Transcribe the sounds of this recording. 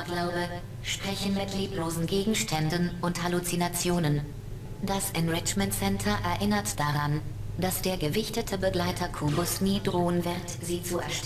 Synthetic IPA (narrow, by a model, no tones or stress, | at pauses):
ɡlaʊbə | ʃpʁ̥ɛçən̩mɪtʰliːploːzn̩ɡeːɡŋ̩ʃtʰɛndən̩ʔʊnthalut͡sinat͡sjoːnən | d̥asʔɪnʁɪt͡ʃmɛntsɛntʰɐʔɛɐʔɪnɐtd̥aʁan | d̥asd̥eːɐɡəvɪçtətʰəbəɡlaɪtʰɐkʰubʊsmidʁoːənvɪʁtz̥iːt͡suɛɐʃt